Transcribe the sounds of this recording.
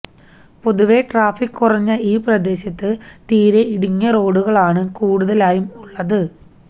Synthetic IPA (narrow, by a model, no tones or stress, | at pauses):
po̞ðuʋe̞ʈraːfikːurɐɲːɐiːprɐd̪e̞ːɕɐt̪ːɨt̪iːɾeiɽiɲːɐro̞ːɽuɣɐɭaːɳɨkuːɽuðɐlaːjumuɭːɐðɨ